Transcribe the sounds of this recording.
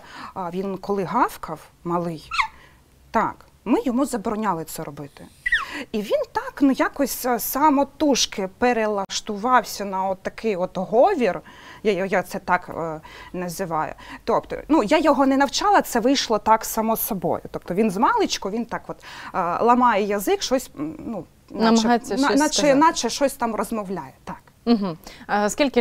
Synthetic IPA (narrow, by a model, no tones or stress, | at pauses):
ʋʲinkɔlˠɪɦɑfkʰɐwmɐlˠɪj | t̪ɑk | mɪjɔmuzɐbɾɔnʲalˠɪt̪sɛɾɔbɪt̪ɪiʋʲint̪ɑknujakɔsʲsɑmɔt̪uʃkɪpeɾelˠɐʃt̪ʊʋɑwsʲɐnɐɔt̪ːɐkɪjɔt̪ɦɔʋʲirjajjat̪sɛt̪ɑkːnɐzʲɪʋɑjʊ̰t̪ɔpt̪ɔ̰nujajɔɦɔnɛnɐwt͡ʃɑlˠɐt̪sɛʋɪjʃlˠɔt̪ɑksɐmɔsɔbɔ̰jʊ̰t̪ɔp̚t̪ɔʋʲinzmɑlˠɪt͡ʃkʊʋʲint̪ɑkʋɔt̪lˠɐmɑjɛjɐzɪkʃɔsʲnu | nɐmɐɦɑsʲɐnat͡ʃɛnɑt͡ʃɛʃt͡ʃɔsʲt̪ɑmrɔzmɔwlʲajɛt̪ɑk | m̩ɦ̩skʲilʲkɪ